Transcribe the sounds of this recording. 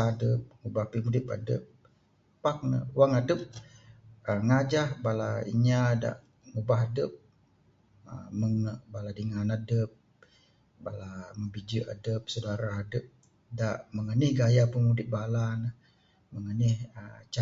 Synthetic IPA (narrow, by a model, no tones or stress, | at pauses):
adəp̚ŋubahpəmudɪpa̰də̰p̚ː | ak̚nə̰waŋadəp̚ | əŋad͡ʒahbalaḭɲada̰ʔ | ŋubaɦadəp̚ | əməŋəbaladiŋanadəp̚ | balaməmbid͡ʒəʔa̰dəp̚sodaɾaadəp̚ | daʔməŋənɪhɡajapəmudɪp̚balanəh | məŋənɪhət͡ʃa